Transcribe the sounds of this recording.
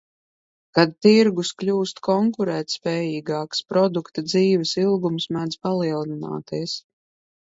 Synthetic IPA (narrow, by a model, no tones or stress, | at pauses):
kad̪̚t̪iɾɡusklʲuːst̪kʰɔŋkuɾɛːt̪spɛːjiːɡaːkspɾɔd̪ukt̪ad̪ziːvɛsilˠɡumsmad̪zpalˠiɛlˠnina̰ːt̪iɛs